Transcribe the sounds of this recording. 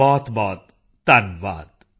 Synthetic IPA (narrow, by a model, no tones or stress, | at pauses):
ɔːt̪bɔːt̪̚ː | anʋaːt̪